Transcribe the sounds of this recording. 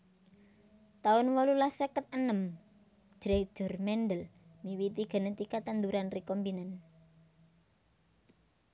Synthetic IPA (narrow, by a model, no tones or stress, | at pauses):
t̪aʊnwɔlulahsəkət̪̚ənəm̥ | d͡ʒ̥ɾɛ̥ʒ̥ʊ̤rmɛnɖəlmiwit̪iɡ̥ə̤nət̪ikat̪and̪uɾanrikombinan